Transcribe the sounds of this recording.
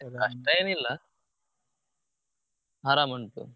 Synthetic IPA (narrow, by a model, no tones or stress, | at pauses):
kɐʂʈɐeːnilːa | ɦaːɾaːmɐɳʈṵ